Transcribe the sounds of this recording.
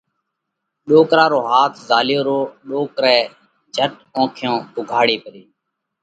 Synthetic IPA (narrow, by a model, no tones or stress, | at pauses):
ɗoːkɾaːɾoːɦaːt̪ʰzaːljoːɾoːɗoːkɾɛː | d͡ʒʱəʈ | õːkʰjõːɓʊɡʱaːɽeːpəɾeː